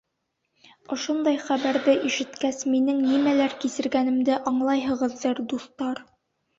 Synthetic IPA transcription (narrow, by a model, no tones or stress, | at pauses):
ŏʃond̪ɑjχæbæɾðɘʔiʃɘ̆t̪kæsminɘŋnimælæɾkisɘ̆ɾɡænɘ̆md̪ɘʔɑɴlˠɑjɦɤ̆ʁɤ̆ðːɤɾd̪uθt̪ɑɾ